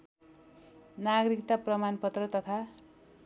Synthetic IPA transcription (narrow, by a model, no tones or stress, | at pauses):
naɡɾikt̪aprʌmanpʌt̪rʌt̪ʌt̪ʰa